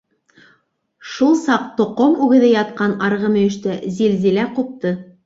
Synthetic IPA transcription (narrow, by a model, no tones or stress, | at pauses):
ʃulˠsɑq̚t̪ŏqomʉɡɘ̆ðɘjɑt̪qɑnɑɾʁɤmɘ̆jɘ̆ʃt̪æzilzilæqup̚t̪ɤ